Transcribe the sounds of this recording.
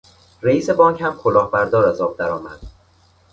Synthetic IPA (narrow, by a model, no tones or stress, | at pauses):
ɾeiːse̞bɒːŋchæmkʰolɒːhbæɾd̪ɒːɾæzɒːb̚d̪æɾɒːmæ̰d̪̥